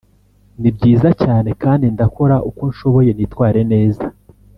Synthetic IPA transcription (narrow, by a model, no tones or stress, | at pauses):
nibɟiːzacaːne̞kaːndindako̞ɾaʔukonʃo̞βo̞je̞nitwaːɾe̞ne̞ːza